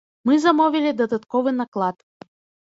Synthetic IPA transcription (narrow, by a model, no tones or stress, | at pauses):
mɨzɐmɔvʲilʲid̪ɐd̪at̪kɔvɨnɐklˠat̪